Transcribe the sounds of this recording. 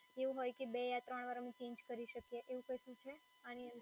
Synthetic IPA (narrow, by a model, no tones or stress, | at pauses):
eʋũɦojkebejat̪ɾəɳ̃ʋaɾamẽt͡ʃẽɲd͡ʒkəɾiʃəkjeʔeʋũkəʃũt͡ʃʰe | aniənd̪